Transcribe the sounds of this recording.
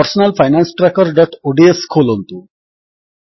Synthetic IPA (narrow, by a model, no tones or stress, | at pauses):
ɔɾsɔnalpʰajnansʈɾakɔɾɖɔʈʰoɖieskʰolɔnt̪u